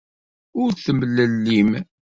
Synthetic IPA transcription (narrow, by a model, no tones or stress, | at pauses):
ʊɾθəmlːəlːim